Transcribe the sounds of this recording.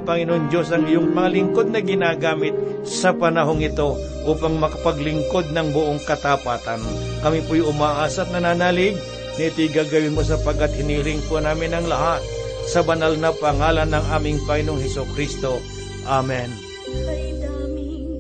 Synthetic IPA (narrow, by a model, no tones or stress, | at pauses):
ŋpɐŋɪnoond͡ʒo̞sɐŋɪjoŋmɐŋɐlɪŋko̞d̪̚nɐɡɪnaːɡaːmɪt̪̚ | sɐpɐnɐɦo̞ŋɪt̪o̞ | ʔuːpɐŋmɐkɐ̥pɐɡlɪŋko̞d̪̚nɐŋbʊʔo̞ŋkɐt̪apaːt̪ɐn | kɐmipojʊmaːʔaːsɐt̪̚nɐnaːnaːlɪɡ̚ | nɐɪt̪ojɡaɡɐwɪnmos̬ɐpɐɡ̚kːat̪̚hɪniːɾɪŋponaːmɪnɐŋlɐɦat̪̚ | sɐbɐnalnɐpɐŋaːlɐnːɐŋʔaːmɪŋpɐŋɪnoŋhɛsʊkɾist̪o̞ | ʔamɛn